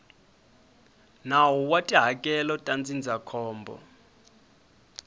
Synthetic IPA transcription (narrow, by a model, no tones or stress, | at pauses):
nawɔwatʼiɦakʼɛlɔtʼand͡zind͡zʱakʰɔːmbʱɔ̰